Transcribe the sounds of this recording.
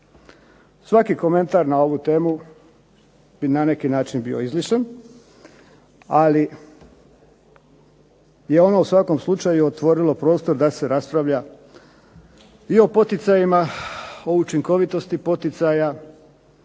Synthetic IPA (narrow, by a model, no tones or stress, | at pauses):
sʋakiko̞me̞nt̪aɾnao̞ʋut̪e̞ːmu | b̥inane̞kinaːt͡ʃinbioizliʃen | ali | je̞o̞no̞usʋako̞mslˠut͡ʃajuot̪ʋo̞ɾilˠo̞pɾo̞ːst̪oɾd̪ase̞ɾaspɾaʋʎa | io̞po̞t̪it̪sajimao̞ut͡ʃiŋko̞ʋit̪o̞st̪ipo̞t̪it̪saja